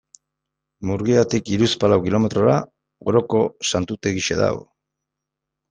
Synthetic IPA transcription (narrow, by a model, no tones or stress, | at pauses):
muɾɣiat̪ikiɾuspalawkilome̞t̪ɾo̞ɾa | ɣoɾo̞ko̞sant̪ut̪e̞ɣiʃḛða̰ɣ